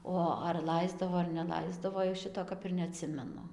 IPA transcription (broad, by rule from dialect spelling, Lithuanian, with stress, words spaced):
ˈoː ɐr ˈlˠɐɪzdɐʋoː ɐr nʲɛˈlˠɐɪzdɐʋoː jɛʊ ˈʃʲɪtoː ˈkɐp ɪr nʲɛɐˈtʲsʲɪmʲɛnʊ